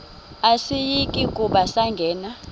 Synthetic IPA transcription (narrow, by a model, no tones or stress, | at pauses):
asijikʼikʼuɓasaŋɡʱɛːna